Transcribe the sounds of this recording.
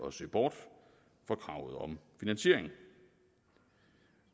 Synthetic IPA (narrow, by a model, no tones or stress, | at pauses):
ɒ̽søːb̥ɒ̰ːd̥ | fɒ̽kʰʁɑ̈ʊð̩ˠɒ̽mfinænɕe̝ɐ̰eŋŋ̩